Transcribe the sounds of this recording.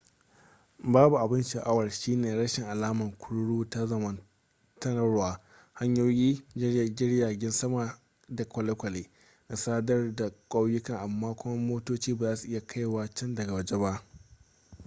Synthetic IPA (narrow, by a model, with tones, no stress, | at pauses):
baː˦bu˨ʔa˨bɪ˦nʃa˨ʔa˦wɐ˨rʃiː˦neː˨ɽɐ˦ʃɪ˨ŋʔa˨laː˦mɐ˨ŋkʷʰʊ˦ɽɽuː˦ta˦zɐ˨mɐ˨n | tɐ˦nɐ˦ɾwaː˨ | ha˦ɲjoː˦jiː˦d͡ʒɡʲɪ˦ɽjaː˨ɡʲɪ˦nsɐ˦ma˨ | da˨kʷɐ˨le˦kʷɐ˨leː˨ | na˨saː˦dɐ˦rda˨kʷʼa˦wjʊ˦kɐ˨ŋʔa˨mːaː˦kʷʊ˦mɐ˦moː˦toː˦t͡ʃiː˦baː˨zaː˦su˨ʔɪ˦ja˨kʰa˦jwaː˨t͡ʃɐ˦ndɐ˨ɡa˨wɐ˦d͡ʒe˦ba˦ʔ